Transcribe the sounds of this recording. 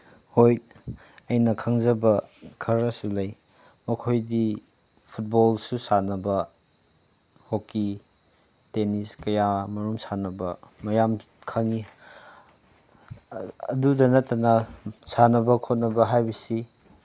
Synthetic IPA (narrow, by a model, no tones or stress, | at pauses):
hoj | ɐjnɐkʰɐŋzɐbɐkʰɐɾɐsulɐj | mɐkʰojdi | pʰut̚bolsusanɐbɐ | hoki | teniskɐjamɐɾumsanɐbɐmɐjam | kʰɐŋi | ɐdudɐnɐtːɐnɐsanɐbɐkʰot̚nɐbɐɦajbisi